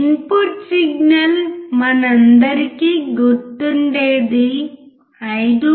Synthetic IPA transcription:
npuʈsiɡ̚nɐlmɐnɐnd̪ɐɾkːiɡuʈ̪ːunɖed̪i | ɐjd̪u

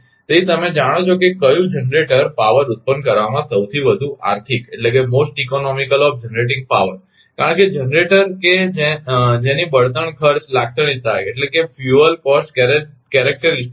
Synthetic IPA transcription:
t̪əit̪əmed͡ʒaɽ̃ot͡ʃʰokekəjũd͡ʒənɾeʈəɾpaʋəɾut̪̚pənkəɾʋamãsəwt̪ʰiʋəd̪ʱuʔa̰ɾt̪ʰikeʈlekemosʈikonɔmikəlɔfd͡ʒənɾeʈ̬ɪ̃ŋɡ̚paʋəɾ | kaɾəɳked͡ʒənɾeʈəɾked͡ʒed͡ʒenibəɭt̪əɳ̃kʰəɾt͡ʃlak̚t̪əɽ̃it̪ʰajeʈlekefjuəlkɔsʈk | kɛɾɛk̚ʈəɾis

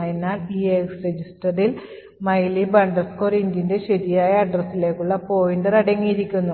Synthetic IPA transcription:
jinːaːlieksred͡ʑisʈɐril | mɐjlibɐɳɖɐskorindinde̞ɕɐðijaːjɐːɖrɐsːile̞ːkːuɭːɐpo̞ːjinɖɐrɐɽɐŋːijiɾikʲːunːu

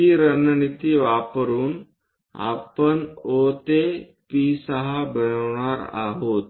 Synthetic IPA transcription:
iːɾənənit̪iːʋapəɾuːn | a̰pəɳot̪e | pisəɦabənəʋɳaɾa̰ɦot̪̚

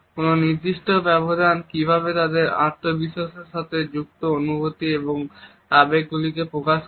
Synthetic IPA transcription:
kononiɾd̪iʃʈobɛbod̪ʱankibʱaβet̪ad̪eɾa̰ɾt̪ʰobiʃaʃeɾʃat̪ʰed͡ʑuk̚t̪oonubot̪ieboŋ | abek̚ɡulikepɾokaʃ

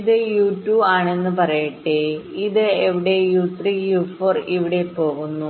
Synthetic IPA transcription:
iðɨjuːʈːuːbaːɳe̞nːɨpɐrɐjiʈːeiðɨeʋiɽe̞juːt̪riːjuːfoːriʋiɽe̞po̞ːɣunːu

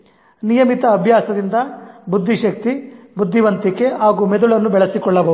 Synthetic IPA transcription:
nijɐmit̪ɐːbʱjaːsɐd̪ind̪ɐbud̪ːiʃɐk̚t̪ibud̪ʱːiʋɐnt̪ike̞ɦaːɡuːmed̪uɭɐnːubɛɭɐsikɔɭːɐbɐ

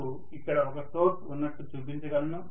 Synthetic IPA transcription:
u | ikːɐɽɐɔkɐsoːʈunːɐʈːut͡ʃuːpiɲt͡ʃɐɡɐlːu

